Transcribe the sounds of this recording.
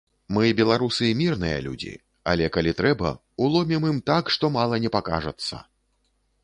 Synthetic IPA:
mɨbʲɛlˠaɾusɨimʲirnɨjɐ̰lʲṵd͡zʲḭ | a̰lʲɛkalʲit̪ɾɛbɐ̰ | ulˠɔmʲimimt̪akʂt̪ɔmalˠɐnʲɛpaka̰ʐɐt̪sːɐ̰

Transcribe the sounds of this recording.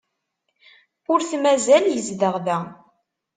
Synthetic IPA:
ʊɾθmæzæljəzðəʁðæ

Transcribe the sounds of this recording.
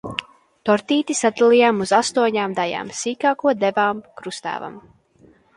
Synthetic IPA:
t̪ɔɾt̪iːt̪isat̪ɛlˠijaːmuzast̪uɔɲaːmd̪aja̰ːmsiːkaːkuɔd̪ɛvaːmkɾust̪æ̰ːva̰m

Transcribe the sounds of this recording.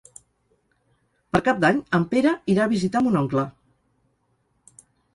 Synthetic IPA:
pəɾkap̚d̪aɲəmpeɾəiɾaːβizit̪amunɔŋklə

